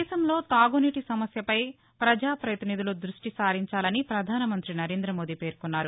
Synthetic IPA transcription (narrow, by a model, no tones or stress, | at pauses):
ʃɐmlo̞ːt̪aːɡuniʈisɐmɐsjɐpɐj | pɾɐd͡ʒaːpɾɐjt̪inid̪ulud̪ɾuʂʈisaːɾiɲt͡ʃaːlɐnipɾɐd̪ʱaːnɐmɐnt̪ɾinɐɾe̞ːnd̪ɾɐmo̞ːd̪iːpe̞ːɾkunːaːɾu